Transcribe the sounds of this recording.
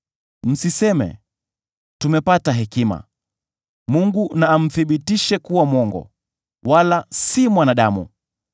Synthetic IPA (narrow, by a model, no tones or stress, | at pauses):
m̩sisɛmɛ̰ | tumɛpataɦɛkima̰ | muŋɡunaːm̩θiɓitiʃɛkuwamwɔŋɡɔ̰ | walasimwanaɗamṵ